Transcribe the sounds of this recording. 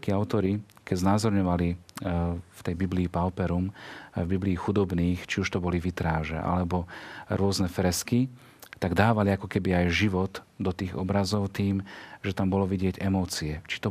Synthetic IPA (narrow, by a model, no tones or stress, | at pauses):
kiaʊt̪ɔɾikɛɟznaːzɔɾɲɔʋali | ft̪ɛjbibliːpaʊpɛɾumvbibliːxud̪ɔbniːxt͡ʃiuʃt̪ɔbɔliʋit̪ɾaːʒɛ̰ʔa̰lɛbɔɾʊɔznɛfɾɛski | t̪aɡd̪aːʋaliakɔkɛbiajʒiʋɔd̪d̪ɔt̪iːɣɔ̰bɾazɔʊt̪iːmʒɛt̪ambɔlɔʋiɟɪɛɟɛmɔːt͡siɛt͡ʃi̥t̪ɔ